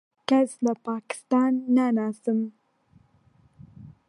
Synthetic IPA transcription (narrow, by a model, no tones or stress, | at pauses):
kazlapɑkɪ̥st̪ɑnːanɑsəm